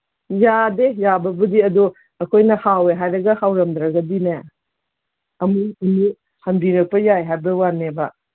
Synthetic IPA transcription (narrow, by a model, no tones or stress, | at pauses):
jadejabɐbɐdiɐdu | ɐkʰojnɐhaweɦajɾɐɡɐhawɾɐmdɾaɡɐdine | ɐmuɐnu | hɐnbiɾɐk̚pɐjajɦajbɐwanebɐ